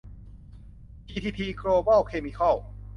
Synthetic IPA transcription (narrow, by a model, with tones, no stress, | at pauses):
t͡ɕiː˧t̪ʰiː˧p̪ʰiː˧kɾoː˧bɔ˥˩wkʰeː˧mi˧kʰɔ˥˩w